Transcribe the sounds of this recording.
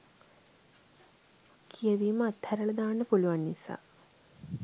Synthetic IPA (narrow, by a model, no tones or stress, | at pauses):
kʰijəʋiːməat̪hæɾələd̪aːnːəpuluʋanːisa̰ː